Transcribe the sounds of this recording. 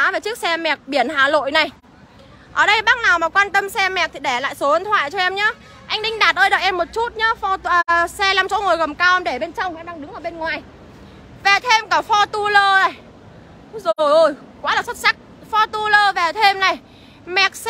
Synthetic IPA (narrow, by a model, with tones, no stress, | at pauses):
aː˨˦ve˨˩t͡ɕɨ˦˥ək̚sɛ˧mɛ˨˩k̚ɓi˧˩ənɦaː˨˩lo̰˧˨jna˨˩j | ʔəː˧˩ɗə˧jɓaː˦˥k̚naː˨˩wmaː˨˩kwaː˧nt̪ə˧msɛ˧mɛ˨˩k̚t̪ʰi˨˩ɗɛ˧˩la̰ː˧˨jso˨˦wə˧˨nt̪ʰwa̰ː˧˨jt͡ɕɔ˧ʔɛ˧mɲaː˨˦ | ʔa˧jŋ̟ɗï˧ŋ̟ɗaː˨˩t̚ʔəː˧jɗə̰ː˨jʔɛ˧mːo˨˩t̚t͡ɕu˦˥t̚ɲaː˨˦fɔ˧ʔsɛ˧laː˧˩mt͡ɕɔ̰˧˥ŋo˨˩jɣə˨˩mkaː˧wʔɛ˧mɗe˧˩ɓe˧nt͡ɕə˧wŋ͡mʔɛ˧mɗa˧ŋɗɨ˨˦ŋʔəː˧˩ɓe˧nŋwaː˨˩j | ve˨˩t̪ʰe˧mkaː˧˩fɔ˧t̪u˧ləː˧na˨˩j | zo˨˩jʔəː˧˩j | kwaː˨˦laː˨˩sə˦˥t̚sa˦˥k̚fɔ˧t̪u˧ləː˧ve˨˩t̪ʰe˧mna˨˩j | mɛ˨˩k̚s